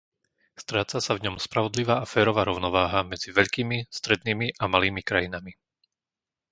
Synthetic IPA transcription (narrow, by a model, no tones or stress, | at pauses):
st̪ɾaːt͡sasavɲɔmspɾaʋɔd̪liʋaːʔafɛːɾɔʋaːɾɔʊnɔʋaːɦamɛd͡ziʋɛʎkiːmist̪ɾɛd̪̚niːmiʔamaliːmikɾajinami